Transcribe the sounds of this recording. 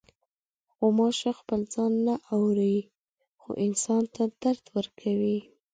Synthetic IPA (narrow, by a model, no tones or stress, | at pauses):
xomɑʃaxpəld͡zɑnːaʔawɾaj | xo̰ʔɪnsɑnt̪ʰad̪̥aɾd̪wəɾkʰawi